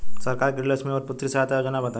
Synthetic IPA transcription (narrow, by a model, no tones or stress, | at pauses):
sɐɾkaːɾkɾləsmẽɔɾpʊt̪ːɾisaɦat̪ajod͡ʒənabɐt̪a